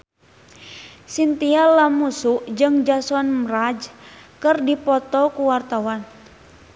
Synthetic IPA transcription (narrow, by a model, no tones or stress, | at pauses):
sint̪ialamusuʔd͡ʒɨŋd͡ʒasɔnmɾad͡ʒkɨrdipɔt̪ɔkuwart̪awan